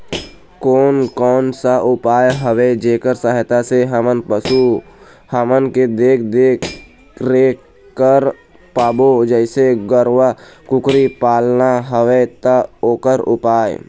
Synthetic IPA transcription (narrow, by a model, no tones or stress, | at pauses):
koːnkɔːnsaʔʊpaːjɦəwed͡ʒeːkəɾsəɦɪt̪aseɦəmənpəsu | hamənked̪eːkʰd̪eːk | ɾe | kəɾ | paːbod͡ʒəɪseɡəɾwakʊkɾipaːlnaɦəʋet̪aoːkəɾʊ̰paːj̰